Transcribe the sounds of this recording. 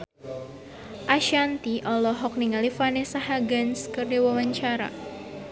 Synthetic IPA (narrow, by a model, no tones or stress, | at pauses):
ʔaʃant̪iʔɔlɔɦɔk̚niŋalifanɛsaɦaɡanskərdiwawaɲt͡ʃaɾa̰